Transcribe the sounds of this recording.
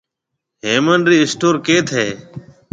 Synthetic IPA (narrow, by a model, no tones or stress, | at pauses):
ɦeːmənɾiːɪsʈoːɾkeːt̪ʰeː